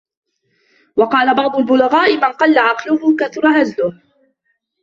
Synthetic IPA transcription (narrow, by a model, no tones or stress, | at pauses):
wɑqɑːlabɑʕd̪ˤʊlbʊlaɣaːʔɪmanqɑlːaʕɑqlʊhʊkaθʊɾˤɑhazlʊh